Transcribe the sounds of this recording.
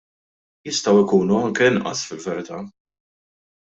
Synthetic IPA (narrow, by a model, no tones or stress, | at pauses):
jɪst̪ɐwɪkuːnuɐŋkɛɪnʔɐ̰sfɪlvɛɾɪt̪ɐː